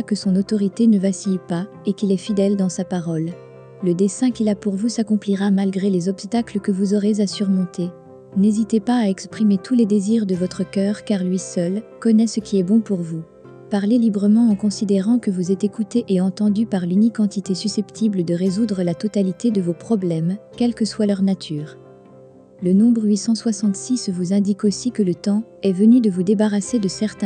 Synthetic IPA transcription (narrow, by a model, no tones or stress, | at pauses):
kəsɔ̃not̪ɔʁit̪enəvasijpa | ekʲilɛfid̪ɛld̪ɑ̃sapaʁɔlː | əd̪esɛ̃kʲilapuʁvusakɔ̃pliʁamalɡʁelezɔpst̪akləkəvuzɔʁezasyʁmɔ̃t̪e | nezit̪epaːɛkspχimet̪ʰuled̪eziʁd̪əvɔt̪χəkʲœʁkaʁlɥisœlkɔnɛsəkʲʰiɛbɔ̃puʁvu | paʁlelibʁəmɑ̃ɑ̃kɔ̃sid̪eʁɑ̃kəvuzɛt̪ekut̪eʔeɑ̃t̪ɑ̃d̪ypaʁlynikɑ̃t̪it̪esysɛpt̪ʰibləd̪əʁezud̪ʁəlat̪ɔt̪alit̪ed̪əvopχɔblɛmkʲɛlkəswalœʁnat̪ʰyːʁ | lənɔ̃bʁɥisɑ̃swasɑ̃t̪sisvuzɛ̃d̪ikosikələt̪ɑ̃ɛvənyd̪əvud̪ebaʁased̪əsɛʁt̪ɛ̃